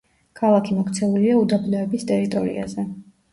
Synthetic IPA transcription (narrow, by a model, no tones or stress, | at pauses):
kʰalˠakʰimɔkʰt̪sʰɛuliaud̪ablɛɛbist̪ʼɛɾit̪ʼɔɾḭa̰zɛ